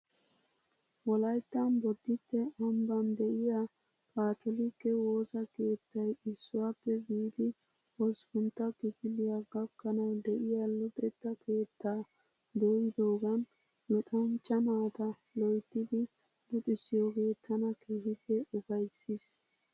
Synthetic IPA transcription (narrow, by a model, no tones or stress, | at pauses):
wɔlɐjt̪ːɐnbɔd̪ːɪt̪ːɛʔɔmbɐnd̪ɛʔɪja | pʼaːt̪ʰɔlɪkːɛwo̞ːsɐke̞ːt̪ːɐjɪsːʊwapːɛbiːd̪ɪ | ɔskʊnt̪ːɐkɪɡɪlɪjaɡɐkːɐnɐwd̪ɛʔɪjalʊt̪ʼɛt̪ːɐkʰeːt̪ːaː | d̪oːjɪd̪o̞ːɡɐn | lɔt̪ʼɐnt͡ʃʼːɐmaːt̪ɐ | lɔjt̪ːɪd̪ɪ | lʊt̪ʼɪsɪjɔke̞ːt̪ʰːɐnɐkʰeːhɪfɛʊbɐjsːɪs